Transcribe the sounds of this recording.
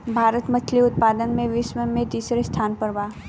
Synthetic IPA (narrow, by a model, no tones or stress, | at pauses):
bʱaːɾət̪mɐt̪ʰliʊt̪̚paːd̪ənmẽʋisməmẽt̪iːsɾest̪ʰaːnpəɾbaː